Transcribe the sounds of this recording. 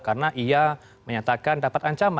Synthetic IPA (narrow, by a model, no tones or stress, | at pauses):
kaɾənaʔia | məɲat̪akandapat̪aɲt͡ʃama